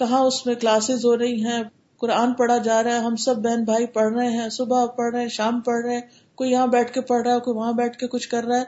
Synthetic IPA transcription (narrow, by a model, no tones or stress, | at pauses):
kɐɦãʊsmẽklaːsɪzɦoːɾɐɦiɦɛ̃ː | kʊɾaːnpɐɽad͡ʒaːɾaɛɦɐmsɐbːɛɦnbʱaːipɐɽ̤ɾɐɦẽɦɛ̃ːsʊbʱapɐɽɾɐɦɛ̃ʃaːmpɐɽɾɐɛ̃ː | koːijɐɦãbɛːʈʰkepɐɽɾaɛkoːiʋɐɦãbɛːʈʰkekʊt͡ʃʰkɐɾːaɦɛː